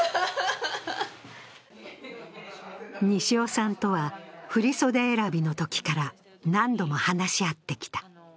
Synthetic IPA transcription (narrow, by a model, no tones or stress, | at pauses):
ɲ̟iɕio̞sãnt̪o̞βaɸɯ̟ɾʲiso̞d̪eːɾabʲino̞t̪o̞kʲi̥kaɾa | nãnd̪o̞mo̞hanaɕiat̪ːe̞kʲi̥t̪ḁ